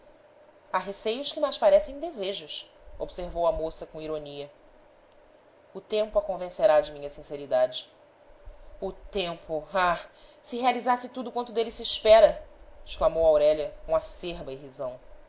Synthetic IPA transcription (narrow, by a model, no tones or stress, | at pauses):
aɦesejʊʃkɪmajʃpaɾɛsẽj̃d̪ezeʒʊso̰bseɾvowɐmosɐkõiɾoniɐ | ʊt̪ẽmpʊakõvẽseɾad͡ʒɪmĩɲɐsĩseɾid̪ad͡ʒɪ | ʊt̪ẽmpʊasɪɦealizasɪt̪ud̪ʊkwɐ̃nt̪ʊd̪elisiːʃpɛɾɐɪʃklamowawɾɛlɐkõaseɾbɐɪɦizɐ̃w̃